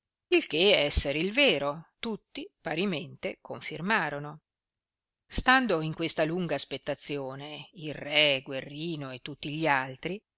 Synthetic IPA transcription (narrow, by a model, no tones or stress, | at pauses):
ilkeɛsːeɾeilveːɾot̪ut̪ːipaɾiment̪ekʰoɱfirmaːɾono | st̪and̪oiŋkwest̪aluŋɡaːspet̪ːat̪sːjoːneilrɛɡwerːiːnoet̪ːut̪ːiʎialt̪ɾi